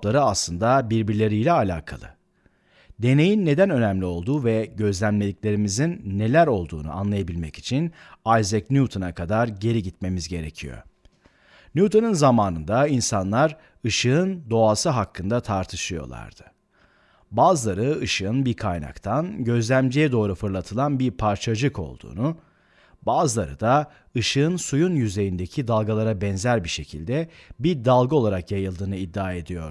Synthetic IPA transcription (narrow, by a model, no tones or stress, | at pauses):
lˠaɾɯaslˠɯnd̪abiɾbiɾlʲe̞ɾijlʲɛalʲa̰ːkʰa̰lˠɯ̰ | d̪e̞ne̞jinːe̞d̪ænø̞næmlʲio̞lˠd̪uːvɛɟø̞zlʲæmlʲelʲicʲlʲe̞ɾimizinːe̞lʲæɾo̞lˠd̪ṵːnṵa̰nlˠajabilʲmɛci̥t͡ʃʰin | ajzɛcnut̪ʰonakʰad̪aɾɟe̞ɾiɟit̪me̞mizɟe̞ɾe̞cʰijo̞̰ | nut̪ʰonɯnzamaːnɯnd̪ainsanlˠaɾ | ɯʃɯɯnd̪o̞asɯɦakʰːɯnd̪at̪ʰaɾt̪ʰɯʃɯjo̞̰lˠa̰ɾd̪̥ɯ̥ | baːzɯlˠaɾɯɯʃɯɯnbiɾkʰajna̰kt̪ʰanɟø̞zlʲæmd͡ʒijɛd̪o̞ːɾufɯɾlˠat̪ʰɯlˠanbiɾpʰaɾt͡ʃʰad͡ʒɯko̞̰lˠd̪ṵːnu | baːzɯlˠaɾɯ̰d̪a | ɯʃɯɯnsujunjyze̞jind̪ecʰid̪alˠɡalˠaɾabɛnzæɾbiʃe̞cʰḭlʲd̪ɛbiɾd̪alˠɡɯo̞lˠaɾakjajɯlˠd̪ɯːnɯid̪ːaːe̞d̪ijo̞̰ɾ